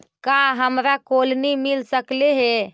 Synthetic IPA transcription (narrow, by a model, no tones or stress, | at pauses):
kaɦəmɾakolnimilsəkleɦe